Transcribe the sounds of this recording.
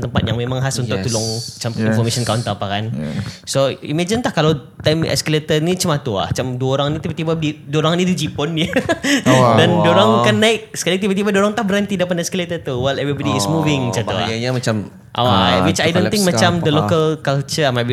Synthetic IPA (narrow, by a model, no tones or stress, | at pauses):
t̪əmpat̪̚jaŋmẽmãŋɦasunʊʔ̚t̪ulʊŋt͡ʃamĩnfɔmeʃɔ̃nkaunt̪əapakansoḭmed͡ʒənt̪ahkalaw | t̪amɛ̰skəlet̪ənĩt͡ʃəmat̪ua̰ht͡ʃamduaoɾaŋnit̪ibat̪ibadiduoɾaŋnĩd̪ud͡ʒipɔnə | dandoɾaŋkanːaɪk̚sə̥kalit̪ibət̪̬ibadoɾaŋt̪ahbəɾant̪idapanɛskəlet̪ət̪uwɛlɛvɾibɔdiːsmuvɪŋt͡ʃat̪ua̰mat͡ʃam | ʔa̰wawit͡ʃajdõnɪ̃ŋkmãt͡ʃamd̪əlokəlkalt͡ʃəmab